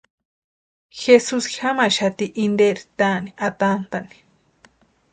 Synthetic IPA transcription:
xesusxamaʃat̪iʔind̪eɾit̪aniʔat̪ant̪ani̥

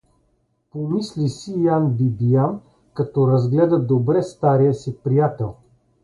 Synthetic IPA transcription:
pomislisijanbibijan | kɐt̪ɔɾɐzɡlɛd̪ɐd̪obɾɛst̪aɾijəsipɾijat̪ɛlˠ

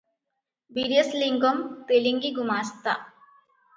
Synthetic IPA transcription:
biɾijəsliŋɡɔmt̪eliŋɡiɡumaːst̪a̰

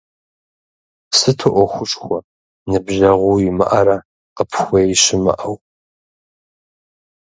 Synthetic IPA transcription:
sɨtʰɨʔʷɔxʷʊʈ͡ʂʼxʷɔ | nɨbʒɐʁʷuːjɪmɨ̰ʔɐɾa | qəpʰxʷɔjjɕɪmɨ̰ʔɐw

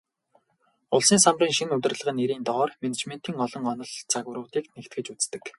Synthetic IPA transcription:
ʊɮsiːŋsamriːŋʃinɵt̪ɘ̆rɮə̆ʁə̆neɾiːnt̪ɔɔːrmenet͡ɕmen̥t̪iːŋɔɮɞ̆ŋɔnɞ̆ɮt͡sʰaɣwə̆ɾʊːt̪iːknekt̪̚ɡɘ̆t͡ɕut͡st̪ɘ̆k

